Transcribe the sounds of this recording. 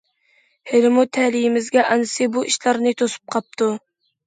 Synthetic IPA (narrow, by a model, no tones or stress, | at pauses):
heɾɪmut̪ʰɛlijɪmɪzɡʲɛʔɑnɨsɨbuʔiʃlɑɾnɨt̪ʰosu̥p̚qʰɑp̚t̪ʰu